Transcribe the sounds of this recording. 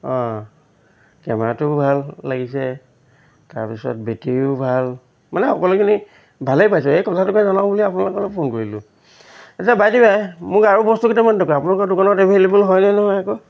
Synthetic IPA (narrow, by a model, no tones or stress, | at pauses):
ɔ̃ | kɛ̰ma̰tʊbʱalːaɡisɛ | ta̰ɹpisɔ̰t̚betijʊbʱal | manɛxɔkɔlʊkʰini | bʱalejpajs̬ɔejkɔlʰatʊkazanaʊbuliapunalʊkɔlɔpʰonkoɹilʊ̰ | etabajdibajmʊkaɹubɔstuketamantʰɔkɔapunalkɔdʊkanɔdebʱelebulɦɔjnanɔɦɔjako